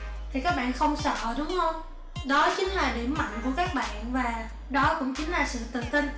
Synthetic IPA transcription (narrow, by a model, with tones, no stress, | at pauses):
t̪ʰi˨˩kaː˦˥k̚ɓa̰ː˧˨nxə˧wŋ͡msə̰˧˨ɗʊ˨˦wŋ͡mhə˧wŋ͡m | ɗɔ˨˦t͡ɕï˨˦ŋ̟laː˨˩ɗi˧˩əmːa̰˧˨nku˧˩əkaː˦˥k̚ɓa̰ː˧˨nvaː˨˩ | ɗɔ˨˦kʊ̰˧˥ŋ͡mt͡ɕï˨˦ŋ̟laː˨˩sɨ̰˧˨t̪ɨ˨˩t̪i˧n